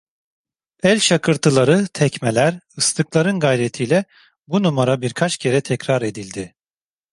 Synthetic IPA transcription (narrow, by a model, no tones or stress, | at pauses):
ɛlʲʃakʰɯɾt̪ʰɯlˠaɾɯt̪ʰɛcmelʲæɾɯst̪ʰɯklˠaɾɯnɡajɾet̪ʰiːlʲɛ | bunumaɾabiɾkʰat͡ʃcʰe̞ɾɛt̪ʰɛcɾaɾe̞d̪ilʲd̪ɪ